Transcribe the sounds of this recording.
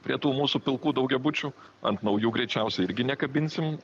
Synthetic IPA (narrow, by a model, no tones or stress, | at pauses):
pʲɾʲiɛt̪uːmuːsupʲɪlˠkuːd̪ɐʊɡʲɛbʊt͡ʃʲu | ɐ̰nt̪nɐʊjuːɡɾʲɛɪt͡ʃʲɛʊsʲɛɪɪɾʲɡʲɪnʲɛkɐbʲɪnʲsʲɪm